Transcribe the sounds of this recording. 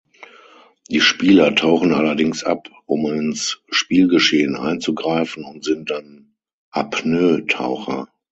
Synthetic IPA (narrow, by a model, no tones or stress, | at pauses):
d̥iːʃpiːlɐtʰaʊxn̩ʔalɐdɪŋsʔa̰pʔʊmɪnsʃpiːlɡəʃeːənʔa̰ɪnt͡suɡʁaɪfn̩ʊntz̥ɪnt̚d̥an | ʔapnøːtʰa̰ʊxɐ̰